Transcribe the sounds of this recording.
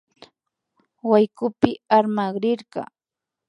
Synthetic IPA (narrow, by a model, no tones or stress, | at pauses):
wajkʊpɪaɾmaɢɾɪɾɢɑ̰